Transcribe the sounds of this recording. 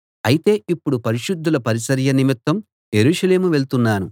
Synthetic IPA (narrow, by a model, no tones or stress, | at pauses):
ɐjit̪e̞ːʔipːuɽupɐɾiʃud̪ːulɐpɐɾisɐɾjɐnimit̪ːɐm | jeɾuːʂɐle̞ːmuʋe̞lt̪unːaːnṵ